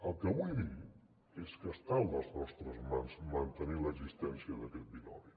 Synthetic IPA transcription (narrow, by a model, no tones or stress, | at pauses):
əlˠkəβuði | eskəst̪alˠnəlˠznɔst̪ɾəzmanzmənt̪əniləɡzist̪ɛnsiəðəkɛt̪̚binɔ̰ɾi